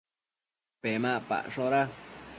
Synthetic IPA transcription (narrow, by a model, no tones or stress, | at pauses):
pemãʔpa̰ʔʂõɾa